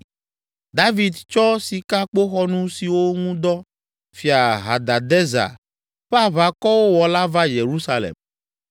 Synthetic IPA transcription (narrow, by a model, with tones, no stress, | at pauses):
d̪a˦vi˨d̪t͡ʃɔ˦si˨ka˦k͡po˦xɔ˦nũ˦si˨wo˦ŋũ˦d̪ɔ˦ | fi˨a˨ɦa˨d̪a˨d̪ɛ˦za̰˨ | ɸa˦βa˨kɔ˦wo˦wɔ˨la˦va˦je˨ɾu˦sa˦lɛ̰˨m